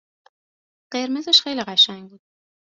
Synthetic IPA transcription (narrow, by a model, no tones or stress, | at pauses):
ɢ̥e̞ɾmezeʃxe̞jliɢæʃæŋɟbuːd̪̥̚